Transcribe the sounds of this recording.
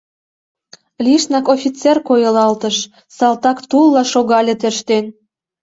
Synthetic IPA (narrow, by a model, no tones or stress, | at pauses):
lʲiʃnɑkofʲit͡serkojə̆lɑlt̪ə̆ʃ | sɑlt̪ɑkt̪ulːɑʃoɣɑlʲet̪øʃt̪en